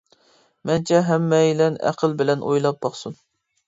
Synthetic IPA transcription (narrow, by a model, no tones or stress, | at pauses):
mɛnt͡ʃʰɛɦɛmːɛjilɛnæ̰qʰəlˠbɪlɛnʔojlˠɑp̚bɑχsun